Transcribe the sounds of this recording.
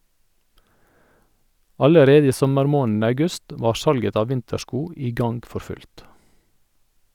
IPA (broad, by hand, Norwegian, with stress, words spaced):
ˈɑləˌɾeːdə ˈiː ˈsɔməɾˌmoːn̩ ɑʉˈɡʉst ˈʋɑːɾ ˈsɑlɡət ˈɑː ˈʋɪntəˌʃkuː ˈiː ˈɡɑnɡ ˈfɔɾ ˈfʉlt